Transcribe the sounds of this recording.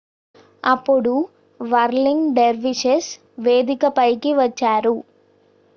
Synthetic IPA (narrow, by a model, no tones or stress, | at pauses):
ɐpːuɽu | ʋɐɾliŋɡɖeɾʋiʃes | ʋeːd̪ikɐpɐjkiʋɐt͡ʃːaːɾu